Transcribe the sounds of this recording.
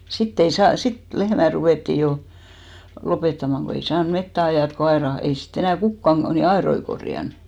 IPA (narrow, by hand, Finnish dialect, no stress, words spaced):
sitː ei sɑːn sit lehmæ ruʋeˑtːiˑ jo lopetːɑmɑŋ ko ei sɑːn metːæ ɑjɑˑt ko ɑerɑ ko ei sit enæˑ kukːɑn ni ɑeroi korjɑn